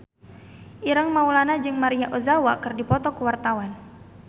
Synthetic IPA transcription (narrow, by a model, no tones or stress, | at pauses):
ʔiɾaŋmaulanad͡ʒɨŋmaɾiaʔozawakɨrdipɔt̪ɔkuwart̪awan